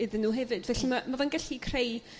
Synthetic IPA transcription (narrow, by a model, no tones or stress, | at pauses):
ɪðɪnːuːɦɛvɨdvɛɬimamavɛnɡɛɬikʰrej